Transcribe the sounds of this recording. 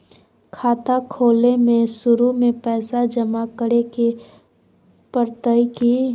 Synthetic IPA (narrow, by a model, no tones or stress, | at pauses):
kʰaːt̪akʰoːlemẽsʊɾumẽpɛːsad͡ʒəmakəɾeke | pəɾt̪əiki